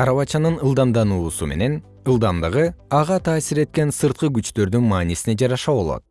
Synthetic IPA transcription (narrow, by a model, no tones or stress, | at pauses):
ɑɾɑβɑt͡ʃɑnɯnɯlˠd̪ɑmd̪ɑnuːsume̞̰ne̞n | ɯlˠd̪ɑmd̪ɯʁɯɑʁɑt̪ʰɑːsiɾe̞t̪̚ke̞nsɯɾt̪̚qɯɡyt͡ʃt̪ø̞ɾd̪ynmɑːnisine̞d͡ʒɑɾɑʃɑβo̞lˠo̞̰t̪̚